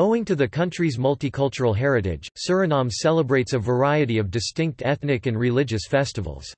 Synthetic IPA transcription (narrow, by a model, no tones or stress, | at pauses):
oʊɪ̃ŋtʰɨðɨkʰʌ̃nt͡ʃɹ̥izmʌlˠtikʰʌlˠt͡ʃə˞l̩ˠɦɛɹɨɾɪ̰̥ʒ̥sɜ˞ɨnɑ̃msɛlˠəbɹeɪtsəvə˞aɪɨɾiʌvdɨstɪ̃ŋk̚tʰɛθnɨkɨ̃nɹɨlɪd͡ʒɨsfɛstɨv̰l̩ˠz̥